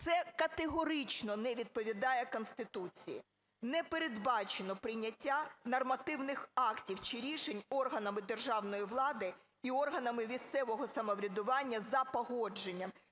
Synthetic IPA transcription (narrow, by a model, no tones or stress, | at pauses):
t̪sɛkɐt̪eɦɔɾɪt͡ʃnɔnɛʋʲid̪̚pɔʋʲid̪ɑjɛkɔnst̪ɪt̪ut͡sʲijḭ | nɛpeɾe̞d̪bɑt͡ʃenɔpɾɪjnʲɐtʲːanɐrmɐt̪ɪwnɪxɑktʲiwt͡ʃɪɾʲiʃenʲɔrɦɐnɐmɪd̪erʒɑwnɔjiʋlˠɑd̪ɪ | iɔrɦɐnɐmɪmʲist̪sɛʋɔɦɔsɐmɔʋɾʲɐd̪ʊʋɑnʲːɐzɐpɔɦɔd͡ʒe̞nʲːɐm